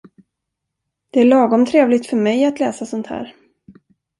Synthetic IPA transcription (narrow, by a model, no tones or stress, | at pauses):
d̪̥ɛæɭɑːɡɔmt̪ʰɾeːvlɪɡt̪fœɾmɛjat̪lɛːsasɔnt̪hæ̰ːɾ